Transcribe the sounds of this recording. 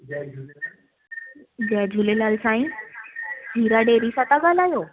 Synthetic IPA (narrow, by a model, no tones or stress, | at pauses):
d͡ʑɛd͡ʑʱulelalsaĩ | d͡ʑʱiɾaɖeɾisat̪aɡʱalajo